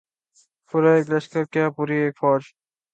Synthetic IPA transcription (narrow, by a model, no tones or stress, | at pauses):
fʊɾaeːklɐʃkəɾkjaːpuːɾieːkfɔːd͡ʒ